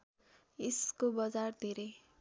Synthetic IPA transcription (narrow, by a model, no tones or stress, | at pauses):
iskobʌd͡zard̪ʱeɾej